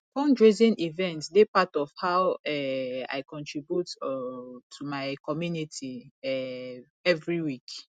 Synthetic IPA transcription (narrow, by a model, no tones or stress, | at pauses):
kɔ̃ndɹezĩnivɛ̃ntsdepatɔfhawɛa̰ɪkɔ̃ntʰɹibjutɔtʰumaɪkʰɔmjunitʰiɛ | ɛvɹiwik